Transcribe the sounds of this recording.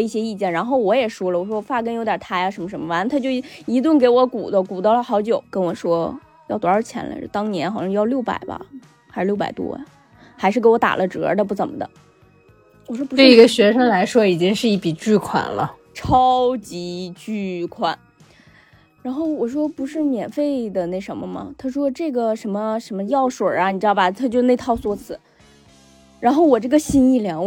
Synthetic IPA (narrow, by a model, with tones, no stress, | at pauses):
i˥˩ɕjɛ˥i˥˩t͡ɕjɛ˥˩nɻa˧˥nxo˥˩ʊwɔ˧˥jɛ˨˩ʂwɔ˥lə˨˩wɔ˨˩ʂwɔ˥ɔ˨˩fa˥˩kə˥njo˧˥ʊt̪jɐ˨˩t̪ʰa˥ɪa˧ʂə˧˥nmə˧ʂ̬ə˧˥nmə˧wa˧˥n˥t̪ʰa˥t͡ɕjo˥˧ʊ˥i˧˥t̪wʊ˥˩ŋk̬e˧˥ɪwɔ˧˥ku˨˩d̪ə˦˥ku˨˩t̪ɑ˥˩lə˩xɑ˧˥ʊt͡ɕjo˨˩ʊkə˥nwɔ˨˩ʂwɔ˥ | jɑ˥˩ʊt̪wɔ˧˥ə˞˥˧˩t͡ɕʰjɛ̰˧˥nla̰˧˥˩t̪ɑ˥ŋnjɛ˧˥nxɑ˨˩ʊɕɑ˥˧jɑ˥˧ljo˥˩ʊpa̰˨˩ɪbɐ̰˧ | xa˧˥ʂɻ̩˥˧ljo˥˩ʊpa̰˨˩ɪt̪wɔ̰˥ | xa˧˥ɪʂɻ̩˥˩ke˧˥ɪwɔ˧˥t̪a̰˨˩lʔə˦ʈ͡ʂɤ̰˧˥d̪ə˧p̬u˥˩t͡sə˨˩mə̰˧˦d̪ə̰˦ | wɔ˨˩ʂwɔ˥pu˧˥e˥˩˥i˧˥ɡə˧ɕɥɛ˧˥ʂɤ˥ŋla˧˥ɪʂwɔ˥i˨˩t͡ɕi˥ŋʂɻ̩˥˧i˥˩pi˨˩t͡ɕy˥˩kʰwa̰˨˩nlə̰˦ | ʈ͡ʂʰɑ˥ʊt͡ɕi˧˥t͡ɕy˥˩kʰwa˨˩˦n | ɻa˧˥nxo˥˩ʊwɔ˨˩ʂ̬wɔ˥pu˧˥ʂɻ̩˥˩mjɛ˨˩nfe˥˩ɪd̪ə˩na˥˩ɪʂə˧˥mə˧mɐ̰˨˩t̪ʰa˥ʂwɔ˥ʈ͡ʂɤ˥˩ɡə˩ʂə˧˥nmə˧ʂə˧˥nmə˧jɑ˥˩ʊʂwə˨˩ɐ˧˦ni˨˩ʈ͡ʂɻ̩˥d̪bɐ˨t̪ʰa˥˩t͡ɕjo˥˧ʊne˥˧ɪt̪ʰɑ˥˧ʊswɔ˥˩t͡sʰɹ̩˧˩˦ | ɻa˧˥nxo˥˩ʊwɔ˨˩ʈ͡ʂɤ˥˩ɡə˩ɕi˥ni˥˩ljɑ˧˥ŋ